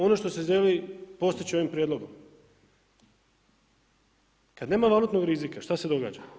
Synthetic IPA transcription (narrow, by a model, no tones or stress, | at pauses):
o̞noʃt̪o̞seʒelipo̞st̪it͡ɕio̞ʋimpɾjed̪lˠo̞ɡom | kad̪ne̞ːmaʋalˠut̪no̞ɡɾizikaʃt̪ased̪o̞ɡa̰ːd͡ʑa